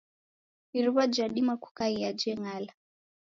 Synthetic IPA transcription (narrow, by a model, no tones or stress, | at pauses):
iɾuβad͡ʒaɗimaku̥kaiad͡ʒɛŋala